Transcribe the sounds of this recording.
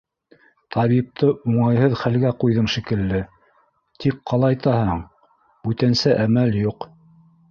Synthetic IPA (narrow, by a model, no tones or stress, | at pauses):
t̪ʰɑβip̚t̪ʰɤʔuɴɑjɦɤðχælɡæqujðɤɴʃikɘ̆lːɘ | t̪ʰikqɑlˠɑjt̪ɑhɤɴ | bʉt̪ænsæʔæmæljuq